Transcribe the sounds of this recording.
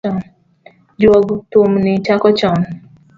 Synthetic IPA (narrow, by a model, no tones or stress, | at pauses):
ɔn | d͡ʒɔɡtomnit͡ʃakɔt͡ʃɔn